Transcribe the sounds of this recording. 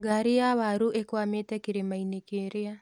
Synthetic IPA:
ɡaɾijawaɾuʔekwametɛkiɾemainekeɾea

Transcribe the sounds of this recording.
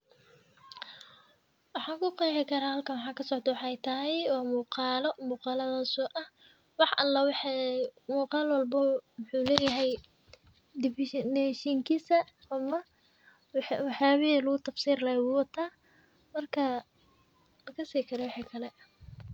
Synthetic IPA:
wɑħɑːkʰʊqɑjħɪkʰɐɾaːhɐlkʰɐnwɑħɑːkʰɐsɔʕt̪ʰɐwɑħɑɛjt̪ʰɐɦɛjwɑːmuːqɑːlɔmuːqɑːlɐðɐsɔːʔɐh | wɑħʔɐlːɐwħmuːqɑːlwɐlbɐwʊħuːlɛːjɐɦɛj | d̪ɪfɪʃdɛʃiŋkʰiːsɐː | mɐ | wɑħjaːβɪilɐɣʊt̪ʰɐfsiːɾɪlɐjwʊwɐt̪ʰaː | mɐrkʰɐ | lɐkʰɐsiːkʰɐɾɛwɑħiːkʰɐlɛ

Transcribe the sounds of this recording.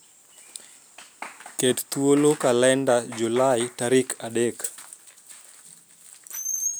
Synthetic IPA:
kett̪wolokalɛndad͡ʒulajtaɾikʰaɗek

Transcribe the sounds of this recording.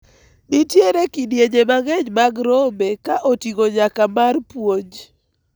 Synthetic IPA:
nɪtjeɾekidjeɲemaɡɛɲmaɡɾɔmekaʔotiɡoɲakamarpwoɲ

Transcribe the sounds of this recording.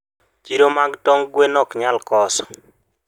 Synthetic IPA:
t͡ʃiɾomaɡtɔŋɡwenɔkɲalkɔsɔ̥

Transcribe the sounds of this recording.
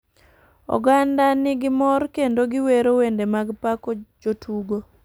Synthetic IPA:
ɔ̰ɡandanɪɡɪmɔɾkendoɡɪweɾowendemaɡpakod͡ʒotʰuɡo

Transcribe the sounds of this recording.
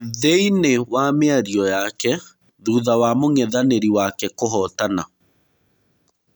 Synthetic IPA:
ðeinewameaɾiɔjakɛ | ðuðawamoŋɛðaneɾiwakɛkoɦɔtana

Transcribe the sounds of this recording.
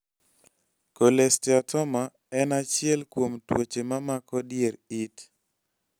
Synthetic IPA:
kolestiatɔma | ɛnat͡ʃɪɛlkwomtwot͡ʃemamakɔdjeɾit

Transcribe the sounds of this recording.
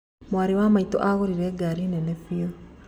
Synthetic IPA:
mwaɾewamaito̰ʔaɣoɾiɾɛɡaɾinɛnefio

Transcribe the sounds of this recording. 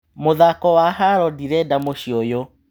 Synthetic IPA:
moðakɔwaɦaɾɔdiɾɛdamoʃiojo

